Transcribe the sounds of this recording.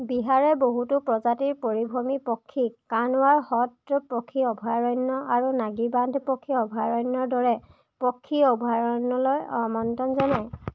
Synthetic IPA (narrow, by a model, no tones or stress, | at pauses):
biɦaɹɛboɦutʊpɹɔzatiɹpoɹibʱomipɔkʰːikanʊwaɹhɔtːɔpɔkʰːiɔbʱaɹɔjnːɔaɹunaɡibandʱpɔkʰːiɔbʱaɹɔjnːɔɹdɔɹɛ | pɔkʰːiɔbʱaɹɔnɔlɔjmɔntɔnzanaj